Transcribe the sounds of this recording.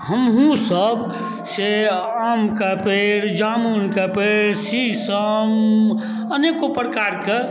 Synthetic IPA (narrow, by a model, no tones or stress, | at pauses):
həmɦũsəb | seamkapeɾd͡ʒamunkapeɾsisəm | ənekopɾkaɾke